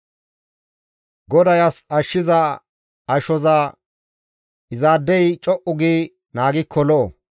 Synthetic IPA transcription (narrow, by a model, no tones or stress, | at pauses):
ɡɔd̪ɐjɐsɐʃːɪzɐ | ɐʃɔzɐ | ɪzaːd̪ːɛjt͡ʃʼɔʔʊɡi | naːɡɪkʰːɔlɔʔo